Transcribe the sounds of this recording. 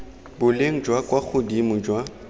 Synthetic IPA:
bʊleŋ̩d͡ʒwakwak͡xʰʊdimʊd͡ʒwa

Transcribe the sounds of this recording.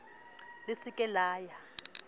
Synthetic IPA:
lɪsikʼɛlaːja

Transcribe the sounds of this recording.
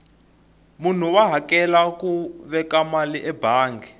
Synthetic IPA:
mun̤uwaɦakɛlakuβɛkamaliʔɛbaːŋɡɛ

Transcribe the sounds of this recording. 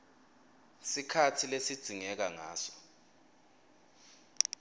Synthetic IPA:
sikʰatʰilesid̥ʱiŋɛk̬aŋaːsɔ̥

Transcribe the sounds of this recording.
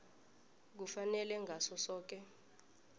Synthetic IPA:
k̬ufanɛlɛŋʱasɔsɔːk̬ɛ

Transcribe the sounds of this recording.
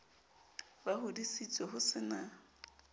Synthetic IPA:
bahʊdisit͡sʼɔɦʊsɪna

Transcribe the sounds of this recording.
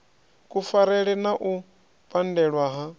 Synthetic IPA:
kʼufaɾɛɺɛnaʔu | pʼandɛɺwaɦa

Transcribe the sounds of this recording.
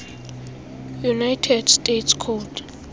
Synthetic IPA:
junajtʰɛdstʼetskʰɔdʰ

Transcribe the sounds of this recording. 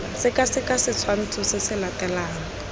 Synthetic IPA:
asɪkʼasɪkʼasɪt͡sʰwan̩t͡sʰʊsɪsɪlatʼɛlaːŋɔ

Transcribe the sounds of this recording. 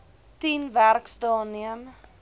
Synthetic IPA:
tinværksdɑːniəm

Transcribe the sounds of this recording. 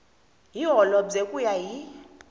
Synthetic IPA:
ɦiɦɔlɔd͡zekʼujaji

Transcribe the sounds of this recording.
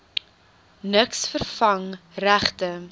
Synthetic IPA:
nəksfərfɐŋræχtə

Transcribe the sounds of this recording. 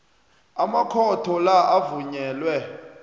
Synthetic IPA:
amakʰɔtʰɔlaʔavuɲɛːlwɛ

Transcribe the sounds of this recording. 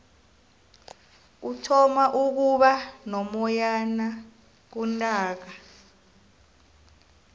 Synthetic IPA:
utʰɔmaʔuk̬uɓanɔmɔjana | k̬untʼaːk̬a

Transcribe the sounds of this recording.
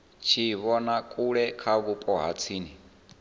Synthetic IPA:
t͡ʃʰiβɔnakʼuɺɛkʰaβupʼɔɦa̰t͡sʰiːni

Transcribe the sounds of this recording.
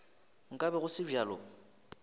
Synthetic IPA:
ŋ̩kʼabɛɣʊsɪʒaːlɔ

